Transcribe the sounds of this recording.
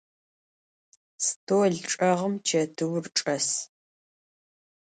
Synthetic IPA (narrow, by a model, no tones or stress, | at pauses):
stʰoːɮʈ͡ʂʼɐʁəmt͡ʃʰɐtʰɨwrʈ͡ʂʼɐs